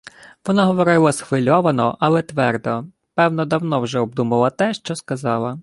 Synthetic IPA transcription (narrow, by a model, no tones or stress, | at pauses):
ʋɔnaɦɔʋɔɾɪlˠɐsxʋɪlʲɔʋɐnɔʔɐlˠɛt̪ʋɛrd̪ɔ | pɛwnɔd̪ɐwnɔwʒɛɔb̚d̪umɐlˠɐt̪ɛʃt͡ʃɔskɐzɑlˠɐ